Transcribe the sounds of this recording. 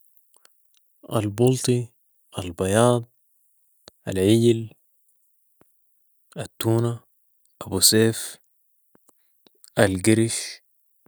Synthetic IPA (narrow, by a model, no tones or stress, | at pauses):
ʔa̰lbult̪ˤi | ʔalbɑjɑːd̪̚ˤ | ʔalʕiɟl | at̪ːuːna | ʔabuseːf | ʔalɡiɾiʃ